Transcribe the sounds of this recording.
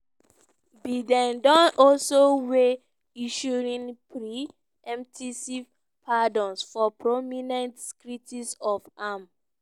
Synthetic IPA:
bidɛ̃ndɔ̃nɔlsowe | iʃɔɹĩnpɹi | ɛ̃mtʰisi | pʰadɔ̃nsfɔpɹominɛ̃ntskɹitisɔfam

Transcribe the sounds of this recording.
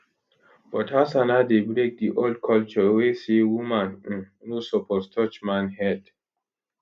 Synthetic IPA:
b̥ɔtasanadebɹek̚diʔold̚kʰɔlt͡ʃɔwesewumãn̩n | nosɔpʰɔstʰɔt͡ʃmãnhɛd

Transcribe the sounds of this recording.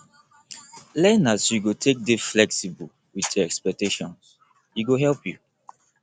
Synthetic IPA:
lɛnasjuɡotʰek̚deflɛksibu | witɔɛkspɛk̚teʃɔ̃n | jiɡoɦɛlpju

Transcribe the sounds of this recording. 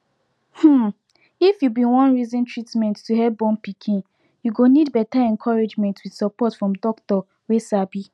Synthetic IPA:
hm̩ | ifjubĩwɔ̃nɹizɔ̃ntʰɹitmɛ̃ntːuɦɛbɔ̃npikʰĩn | juɡonidbɛtaɛ̃nkʰɔɹed͡ʒmɛ̃ntʰwid̥sɔpɔtfɹɔ̃mdɔktɔ | wesabi

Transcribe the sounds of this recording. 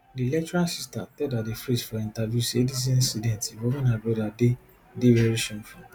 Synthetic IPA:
dilɛtuɾasistatɛdadefɾesfɔĩntavjusedis̬ĩĩnsidɛ̃ntiwɔmãnãbɔdade | debɛɾiʃɔ̃nfĩ

